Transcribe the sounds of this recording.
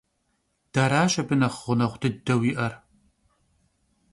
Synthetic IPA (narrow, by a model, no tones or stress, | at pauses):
d̥aːɾaːɕʼɐbɨnɐχʁʷʊnɐχʷdɨdɐwiːʔɐr